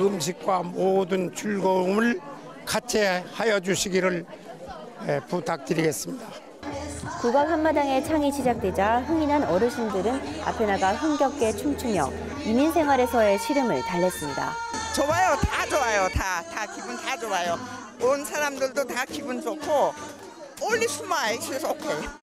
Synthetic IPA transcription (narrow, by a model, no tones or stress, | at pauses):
ɯmɕ̬ʰik̚k͈wamodɯnt͡ɕuɭɡomɯɭ | kat͡ɕʰehajʌd͡ʑuɕʰiɡiɾɯɭ | eputʰak̚t͈ɯɾiɡe̞s͈ɯmɲida | puɡak̚hɦanmadaŋe̞t͡ɕʰaŋiɕid͡ʑak̚t͈we̞d͡ʑaɸɯŋinɦanʌɾɯɕʰindɯɾɯna̰pʰe̞naɡaɸɯŋɡjʌk̚k͈e̞t͡ɕʰuŋt͡ɕʰumjʌ̰ | iminsʰeŋɦwaɾe̞sʰʌe̞ɕʰiɾɯmɯ̰ɭtaʎːʌs͈ɯmɲida̰t͡ɕowajotat͡ɕowajotatakibuntad͡ʑowajo | onsʰaɾamdɯɭdot̪akibund͡ʑokʰo | olːisʰumaiɕʰisʌkʰejo